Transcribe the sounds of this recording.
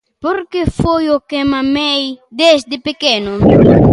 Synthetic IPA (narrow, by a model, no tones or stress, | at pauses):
poɾkefojokemamejd̪ezd̪ɪpekenʊ